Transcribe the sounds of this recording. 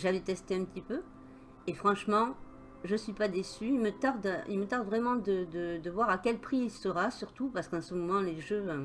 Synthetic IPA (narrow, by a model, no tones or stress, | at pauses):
ʒavɛt̪ɛst̪eɛ̃pət̪ipø | efχɑ̃ʃmɑ̃ | ʒəsɥipad̪esyilmət̪aʁd̪ḭlmət̪aʁd̪vʁɛmɑ̃d̪əd̪əd̪əvwaʁakʲɛlpχiːlsəʁasyʁt̪upaʁsə̥kɑ̃səmɔmɑ̃leʒø